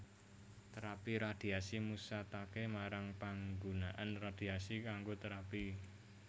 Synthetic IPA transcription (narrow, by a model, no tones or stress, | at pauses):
t̪əɾapiɾad̪̥i̤asimusat̪akemaɾaŋpaŋɡunaʔanrad̪̥i̤asikaŋɡot̪əɾapi